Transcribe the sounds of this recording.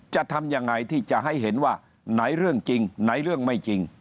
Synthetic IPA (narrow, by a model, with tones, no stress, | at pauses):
t͡ɕa˨˧˩ʔt̪ʰa˧mjaː˧ŋːa˧jt̪ʰiː˥˩t͡ɕa˨˧˩ʔɦa˥˩jɦe˩˦nwaː˥˩ | na˦˥jɾɯ˥˩əŋt͡ɕi˧ŋna˨˦˥jɾɯ˥˩əŋma˥˩jt͡ɕi˧ŋ